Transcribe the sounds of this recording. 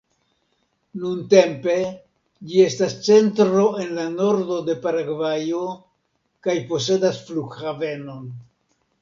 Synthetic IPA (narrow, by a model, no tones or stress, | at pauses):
nunte̞mpe̞ | d͡ʒie̞stast͡se̞ntɾo̞e̞nlano̞ɾdo̞de̞paɾaɡvajo̞ | kajpo̞s̬e̞dasfluɡhave̞no̞n